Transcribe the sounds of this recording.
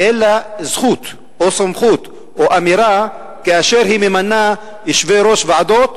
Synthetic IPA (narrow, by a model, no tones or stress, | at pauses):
ʔelazχut̪ | osamχut̪ | ʔoʔamiɾa | keaʃe̞ɾhimemana | iʃveɾo̞ʃveʕad̪o̞t̪